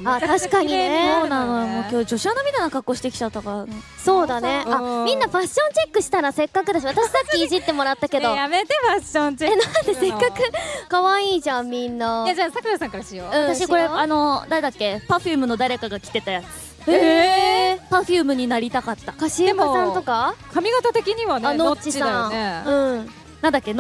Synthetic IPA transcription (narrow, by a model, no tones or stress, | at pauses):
at̪aɕi̥kaɲ̟inesonanojomoːkʲo̞ːd͡ʑo̞ɕianomʲit̪anakakːo̞ːɕi̥t̪e̞kʲi̥t͡ɕat̪ːakaɾan | so̞ːd̪ane̞amʲĩnːaɸaɕːõ̞ɲt͡ɕe̞kːɯ̟ɕi̥t̪aɾase̞kːakɯ̟d̪aɕiβat̪aɕi̥sakʲːiːʑit̪ːe̞mo̞ɾat̪ːake̞dd̪o̞jamet̪efaɕõɲeenãnt̪e̞se̞kːakɯ̟kaβaiːʑãmmʲĩnːajad͡ʑasakɯnasãŋkaɾaɕijoɯ̃ãt̪aɕikko̞ɾeano̞d̪ad̪akːe̞paɸʲjɯːmɯ̟no̞d̪aɾe̞kaɡakʲi̥t̪e̞t̪ajat͡sɨ̥ | e | paɸɯːmɯ̟ɲ̟inaɾʲit̪akat̪ːakaɕiemosãnt̪o̞kakamʲiɡat̪at̪e̞kʲiɲ̟iβananot͡ɕːisãeɯ̟̃ɴ | nãnd̪akːen